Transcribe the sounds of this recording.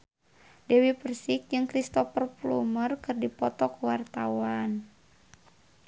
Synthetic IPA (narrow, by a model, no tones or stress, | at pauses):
dɛwipərsɪk̚d͡ʒɨŋkɾist̪ɔpərplṵmərkɨrdipɔt̪ɔkuwart̪awan